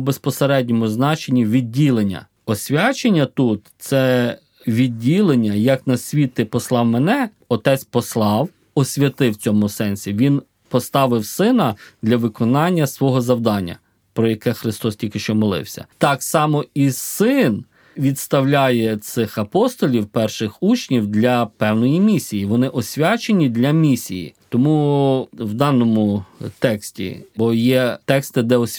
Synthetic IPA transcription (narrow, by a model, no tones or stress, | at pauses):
bespɔseɾɛdʲnʲɔmʊznɑt͡ʃenʲːiʋʲidʲːilˠenʲːɐ̰ | ɔsʲʋʲat͡ʃenʲːɐt̪ut̪t̪sɛ | ʋʲidʲːilˠenʲːɐjɐknɐsʲʋʲit̪ɪpɔslˠɑwmɛnɛ | ɔt̪ɛt͡sʲpɔslˠɑw | ɔsʲʋʲɐt̪ɪwt͡sʲɔmʊsɛnʲsʲiʋʲin | pɔst̪ɑʋɪwsɪnɐd̪lʲɐʋɪkɔnɑnʲːɐsʋɔɦɔzɐwd̪ɑnʲːɐ̰ | pɾɔjɐkɛxɾɪst̪ɔstʲilʲkɪʃt͡ʃɔmɔlˠɪ̰wsʲɐ̰t̪ɑksɑmɔisɪn | ʋʲid̪st̪ɐwlʲajɛt̪sɪxɐpɔst̪ɔlʲiwpɛrʃɪxut͡ʃnʲiwd̪lʲɐpɛwnɔjimʲisʲijiʋɔnɪʔɔsʲʋʲat͡ʃenʲid̪lʲɐmʲisʲḭjḭt̪ɔmu | wd̪ɑnɔmʊt̪ɛksʲtʲḭbɔjɛt̪ɛkst̪ɪd̪ɛɔsʲ